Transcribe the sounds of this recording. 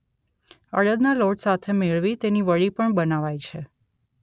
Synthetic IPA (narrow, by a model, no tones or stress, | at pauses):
ə̰ɽəd̪naloʈsat̪ʰemeɭʋit̪eniʋəɭipəɳbənaʋajt͡ʃʰe